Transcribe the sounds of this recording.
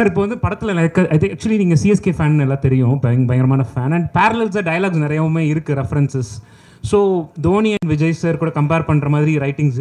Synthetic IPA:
sɐɾɪp̬ːoʋɐnd̪ɯpɐɽɐt̪ːɯlɐlɐkːɐʔɐt̪ɪ̃ŋɐk̚t͡ʃʊɐliniːŋɡɐsiɛskefaːnnɛlːãːt̪ɛɾɪjʊ̃bɐjŋbɐjɐŋɡɾɐmaːnɐfaːnɐɳɖpaːɾɐlɛls̬aɖɐjɐlaːɡnɪɾɐjɐɯmeːɪɾɯkːɯɾɛfɐɾɛnsɛsː | oːd̪oːniɐnʋɪd͡ʒɐɪsɐɾkuːɽɐkɐmpeːɾpɐɳːɾɐmaːðɪɾiɾɐɪʈːɪ̃ŋɡs

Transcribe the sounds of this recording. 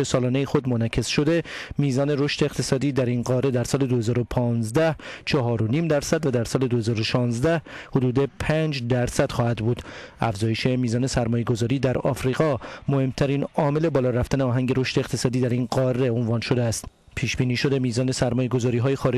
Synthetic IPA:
esɒːlɒːnejixo̞d̪monæcʰe̞sʃo̞d̪e̞miːzɒːne̞ɾo̞ʃt̪e̞ːqt̪ʰesɒːd̪iːd̪æɾinɢɒːɾe̞d̪æɾsɒːle̞d̪o̞he̞zɒːɾo̞pʰɒːnzd̪æht͡ʃʰɒɦɒːɾo̞niːmd̪æɾsæd̪væd̪æɾsɒːle̞d̪o̞he̞zɒːɾo̞ʃɒːnzd̪æhhod̪uːd̪e̞pʰæːnd͡ʒd̪æɾsæd̪̥xɒːhæd̪buːd̪æfzɒːje̞ʃe̞miːzɒːne̞sæɾmɒːje̞ɡo̞zɒːɾiːd̪æɾɒ̰ːfɾiːɣɒːmohe̞mt̪ʰæɾiːnɒːme̞le̞bɒːlɒːɾæft̪æneɒːɦæŋɟe̞ɾo̞ʃt̪eːqt̪ʰe̞sɒːd̪iːd̪æɾinɢɒːrːe̞onvɒːnʃo̞d̪eæst̪ | pʰiːʃb̥iːniːʃo̞d̪e̞miːzɒːne̞sæɾmɒːje̞ɡo̞zɒːɾiːɦɒːjexɒːɾe

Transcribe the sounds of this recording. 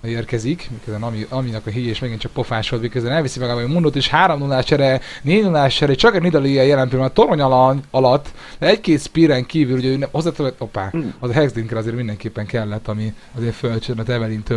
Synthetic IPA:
eːrkɛzikmiːkøzbɛnɒmiɒminɒkɒɦijeːʃmɛɡint͡ʃɒk̚po̞faːʃoːlveːkɛzɛnɛlvisimɛɡaːbaːmund̪ot̪eʃhaːɾomnulaːʃt͡ʃɛɾɛ | neːnulaːt͡ʃɛɾɛeʃt͡ʃɒkɛnid̪ɒliɛjɛlɛmpiɾmɛt̪o̞ɾoɲɒlɒɲɒlɒt̪ː | d̪ɛɛckeːt̪spiɾɛŋkiːvyluɟɛøːnɛhozːaːt̪øɛopaːɒzɒɦɛɡzd̪iŋkrɛɒzeːɾmind̪ɛŋkeːpːɛŋkɛlːɛt̪ːɒmi | ɒzeːɱfølt͡ʃønɒt̪ɛvɛliːnt̪ø

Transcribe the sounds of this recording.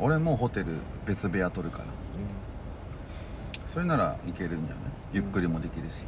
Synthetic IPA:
o̞ɾe̞mo̞ːɦo̞t̪e̞ɾɯ̟̰ | be̞t͡sɨbe̞at̪o̞ɾɯ̟ka̰na | so̞ɾe̞naɾa̰ike̞ɾɯ̟̃ɲd͡ʑa̰na | jɯ̟kːɯ̟ɾʲimo̞d̪e̞kʲiɾɯ̟ɕi̥

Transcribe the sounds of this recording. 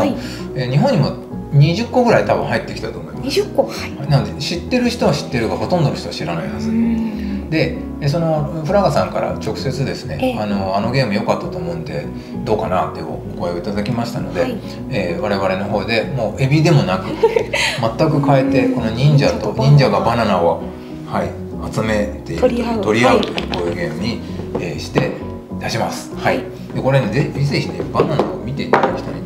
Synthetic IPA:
eːɲ̟iɦõ̞ɲ̟ːimo̞ | ɲ̟iʑɨkːo̞ɡɯ̟ɾait̪abɯ̰̃ɦait̪ːe̞kʲi̥t̪at̪o̞ːmo̞imːo | ananod̪e̞ɕit̪ːe̞ɾɯ̟çi̥t̪o̞aɕi̥t̪ːe̞ɾɯ̟ɡaho̞t̪õnd̪onoçit̪o̞aɕiɾanaihazɨ | d̪e̞ | es̬o̞no̞ɸɯɾaɡasãŋkaɾa̰t͡ɕo̞kɯ̟̥se̞t͡sɨd̪e̞sɨne̞̰ano̞ano̞ɡʲe̞ːmɯjo̞kat̪ːat̪o̞ːmo̞ɯ̟̃nd̪e̞̰ | d̪o̞ːkanat̪ːeo̰oɡoeoit̪ad̪akʲimaɕi̥t̪a̰no̞̰d̪e̞ | eβaɾe̞βaɾe̞no̞ɦo̞ːd̪e̞mo̞ːʔe̞bʲid̪e̞mo̞nakɯ̟mat̪ːakɯ̟kae̞t̪e̞ko̞no̞ɲĩɲ̟d͡ʑat̪o̞ɲʲĩɲd͡ʑaɡabananao | hai | at͡sɨme̞t̪e̞it̪o̞ɾʲiakoːjɯːɡe̞ːmɯ̟ɲ̟ieːɕi̥t̪e | d̪aɕimasɨ̥hai | d̪̥e̞ko̞ɾe̞ned̪eçiizeçinebanana̰omʲit̪e̞it̪ad̪akʲi̥t̪oi

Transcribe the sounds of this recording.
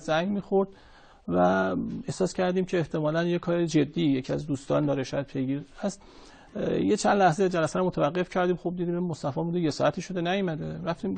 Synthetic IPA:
zæŋɡmiːxoɾd̪̥ | væe̞hsɒːscʰæɾd̪iːmcʲʰeːht̪ʰe̞mɒːlænjekʰɒːɾed͡ʒe̞d̪ːijecʰiæ̰zd̪uːst̪ɒ̰ːnd̪ɒːɾeʃɒːjæd̪̚pʰe̞jɡiːɾæst̪ | jet͡ʃʰænd̪læhzed͡ʒælæsæɾɔmot̪ævæɢːe̞fcʰæɾd̪iːmxob̚d̪id̪iːmmːost̪æfɒːbuːd̪eje̞sɒːɾæt̪ʰiːʃo̞d̪e̞næjɔmæd̪eɾæft̪iːm

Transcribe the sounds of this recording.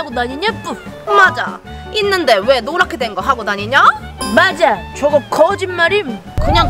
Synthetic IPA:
aɡonaɲiɲap͈u | mad͡ʑa̰ | inːɯnde̞we̞noɾakʰedwe̞nɡʌɦaɡodaɲiɲa | mad͡ʑat͡ɕʌɡʌkʌd͡ʑinmaɾim | kɯɲaŋ

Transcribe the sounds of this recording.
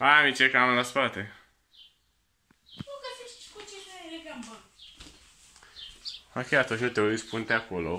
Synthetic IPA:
amit͡ʃekamlaspat̪e | ukəfit͡ʃkut͡ʃekaɾeɾeɡamba | akʲeat̪ũnʲt͡ʃnut̪eoɾispunt̪eakolo̰

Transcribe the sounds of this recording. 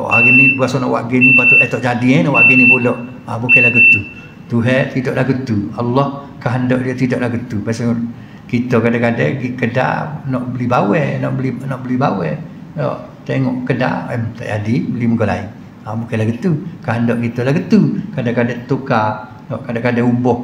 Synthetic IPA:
ʔa̰ɡinibəasɔnɔʔwa̰ʔɡenipat̪uʔɛt̪ɔʔd͡ʒadiɛnɔʔwaʔɡenibodɔʔ | abukɛlaɡət̪u | t̪uɦɛt̪idɔʔlahɡət̪ualːɔh | kaɦəndɔʔdiət̪idɔʔlaɡət̪upaseŋʔ | kit̪ɔkadakadɛɡikəda̰nɔʔbəlibawɛhnɔʔbəlinɔʔbəlibawɛdɔ̰ʔ | t̪eŋɔʔkəda̰əmt̪a̰jadibəliməɡola̰i | abukɛlaɡət̪ukaɦəndɔʔkit̪ɔlahɡət̪ukadakadɛt̪uka | nɔʔkadakadɛubɔh

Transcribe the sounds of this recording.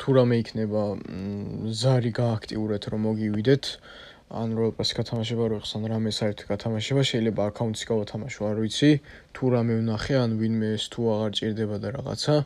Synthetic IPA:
t̪ʰuɾamɛikʰnɛba | zaɾiɡaːkʰt̪ʼiuɾɛt̪ʰɾɔmɔɡivid̪ɛt̪ʰ | a̰nɾɔɛlpʼasɡ̥at̪ʰamaʃ̬ɛbaɾɔɛqʼsanɾamɛsaɛɾt̪ʰɡ̥at̪ʰamaʃɛbaʃɛilɛbaːkʰaunsɡavat̪ʰamaʃuaɾvit̪sʰi | t̪ʰuɾamɛvnaχɛanvinmɛːst̪ʰuaʁaɾt͡ʃʼiɾd̪ɛbad̪aɾa̰ʁa̰t̪sʰa

